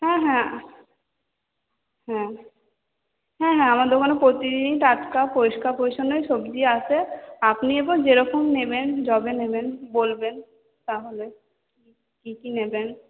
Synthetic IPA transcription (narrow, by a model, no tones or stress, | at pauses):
hɛ̃ɦɛ̃ | hɛ̃ | ɦɛ̃ɦɛ̃amad̪eɾkonopɾot̪id̪iniʈ̪at͡ʃkapoiʃkapojʃonojʃobd̪ieat͡ʃʰeapniebod͡ʑeɾɔkomnebend͡ʑɔbenebenbolben | t̪aɦole | ki | kikineben